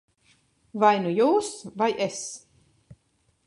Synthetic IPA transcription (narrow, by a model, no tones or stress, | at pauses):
vajnujuːsvajes